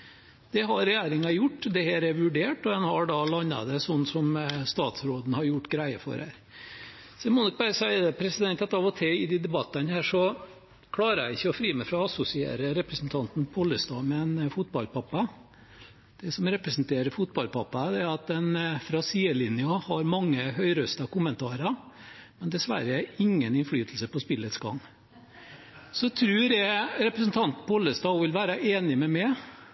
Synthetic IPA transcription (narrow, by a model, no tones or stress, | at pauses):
d̪̥ɛɦɑɾɛjæːɾɪŋɑjʊʈːd̪ɛhæːɾæɾʋʉɖeːʈɔd̪ɛnhɑɖɑlɑnːɑ̰d̪ɛsɔnːsɔmst̪ɑːt̪sɾoːd̪n̩hɑɾjʊʈːɡɾæɪə̰fɔ̰ɾhæ̰ːɾ | sɔɛmɔnɪk̚bɑɾəsæɪəd̪ɛpʰɾɛsɪd̪ɛnt̪ɑt̪ɑʋɔt̪ʰɛɪd̪ɪd̪ɛbɑt̪ːɑnhæːʂɔ | kʰlɑːɾəæ̰ɪɪçːəɔfɾiːmɛfɾɑɑsʊsɪḛːɾəɾɛpɾəsn̩t̪ʰɑnt̪n̩pʰɔlːəst̪ɑːmɛɛnfʊt̪̚bɑlpʰɑpːɑ | d̪̥ɛsɔmɾɛpɾɛsnt̪ʰeːɾəfʊt̪̚bɑlpʰɑpːɑd̪ɛæɾɑt̪̚d̪ɛnfɾɑsiːəlɪnjɑhɑɾmɑŋːəhœʏɾœst̪ɑkʊmənt̪ʰɑːɾɑ | mɛnd̪ɛsʋæ̰ɾəæɾɪŋːənɪnflyːt̪ʰlsəpɔspɪlːət̪sɡɑ̰ŋː | sɔt̪ʰɾʉːɾæɪɾɛpɾəs̬n̩t̪ʰɑnt̪n̩pʰɔlːəst̪ɑːʋɪlʋæːɾɑʔeːnɪmɛmɛ